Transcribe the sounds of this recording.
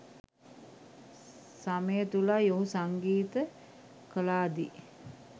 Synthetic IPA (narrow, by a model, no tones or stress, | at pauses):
saməjət̪ulajoɦusaŋɡiːt̪ə | kəlaːd̪i